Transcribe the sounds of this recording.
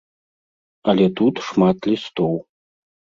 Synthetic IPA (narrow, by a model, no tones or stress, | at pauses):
alʲet̪ʰut̪ʂmat̪ʰlʲist̪ow